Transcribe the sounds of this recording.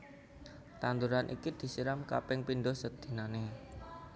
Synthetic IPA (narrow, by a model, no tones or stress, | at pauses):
t̪and̪uɾanʔḭkid̪̥i̤siɾamka̰pɪŋpinɖɔsəd̪̥i̤nane